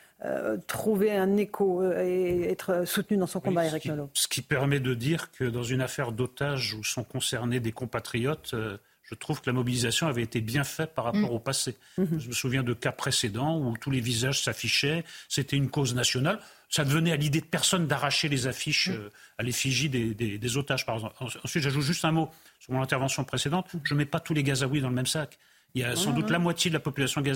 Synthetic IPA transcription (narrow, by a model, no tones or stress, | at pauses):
ø̰t̪χuveɛ̃nekʰoeɛt̪χsut̪nyd̪ɑ̃sɔ̃kɔ̃baiʁiknolosə̥kʲipɛʁmɛd̪əd̪iʁkʰəd̪ɑ̃zynafɛʁd̪ot̪aʒusɔ̃kɔ̃sɛʁned̪ekɔ̃pat̪χijɔt̪ø | ʒ̥ət̪χuvkəlamɔbilizasjɔ̃avɛet̪ebjɛ̃fɛpaʁːappɔʁopase | ʒəməsuvjɛ̃d̪əkapχesed̪ɑ̃ut̪ulevizaʒsafiʃɛset̪ɛynkoznasjɔnal | sad̪əvənɛalid̪ed̪əpɛʁsɔnd̪aʁaʃelezafiʃøalefiʒid̪ed̪ed̪ezot̪aʒpaʁɛɡzɑ̃pɑ̃ɑ̃sɥit̪ʒaʒut̪ʒyst̪ɛ̃mosyʁmɔ̃nɛ̃t̪ɛʁvɑ̃sjɔ̃pχesed̪ɑ̃t̪ʒəmɛpat̪uleɡazawid̪ɑ̃ləmɛmsak | iljasɑ̃d̪utt̪lamwat̪jed̪əlapɔpylasjɔ̃ɡaz